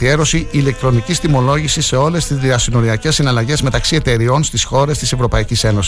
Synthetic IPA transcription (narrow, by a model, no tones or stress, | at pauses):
ie̞ɾo̞siʔile̞k̚t̪ɾo̞nicist̪imo̞lo̞ʝisisse̞o̞le̞st̪izðiɐsino̞ɾiɐce̞sːinɐlɐʝe̞zme̞t̪ɐksie̞t̪e̞ɾio̞nst̪isxo̞ɾe̞st̪ise̞vɾo̞pɐicise̞no̞si̥